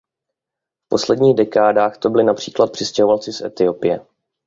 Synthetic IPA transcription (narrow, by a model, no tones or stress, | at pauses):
fpo̞slɛdɲiːɣdɛkaːdaːxt̪o̞bɪlɪnapr̝̥iːklat̪̚pr̝̥ɪscɛɦovalt͡sɪsʔɛ̰t̪ɪo̞pɪjɛ